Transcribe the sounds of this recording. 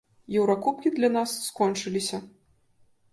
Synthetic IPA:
jɛwɾakupkʲid̪lʲɐnasːkɔnt͡ʂɨlʲisʲɐ

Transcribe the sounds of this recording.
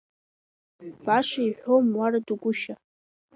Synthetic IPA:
b̥aʂaiħʷomwaraduɡʷʊʃa

